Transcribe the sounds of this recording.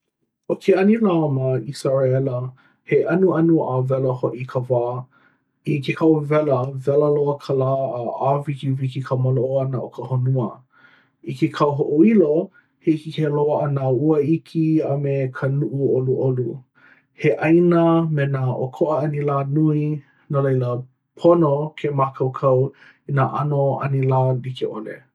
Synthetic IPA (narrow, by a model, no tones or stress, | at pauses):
ʔokʰeɐnilamaisaɹaɛlə | heʔɐnuɐnuavɛləhoʔikʰəvaː | ikʰekʰɐwvɛləvɛləloəkʰəlaːəavikivikikʰəməloʔoɐnəʔokʰəhonuə | ikekʰɐwɦoʔoilo | heikikeloəʔɐnauəikʰiamekʰənuʔuoluʔolu | heʔɐjnəmenaʔokʰoʔəɐnilaːnui | nalejlə | pʰonokʰemakʰɐwkʰɐw | inaʔanoɐ̰nilaːlikeʔolḛ